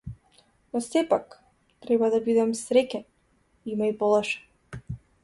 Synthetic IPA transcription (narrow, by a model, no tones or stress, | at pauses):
nɔsɛpak | t̪ɾɛbad̪abid̪ɛmsɾɛcɛn | imajpɔlˠɔʃɛ̥